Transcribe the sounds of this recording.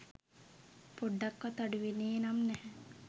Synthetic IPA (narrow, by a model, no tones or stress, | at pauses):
poɖːakːʋat̪aɖuʋeneːnamnɛhɛ